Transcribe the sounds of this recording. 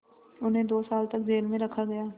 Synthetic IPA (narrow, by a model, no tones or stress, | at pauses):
ʊnɦẽːd̪oːsaːlt̪ək̚d͡ʒeːlmẽɾəkʰːaɡɐjaː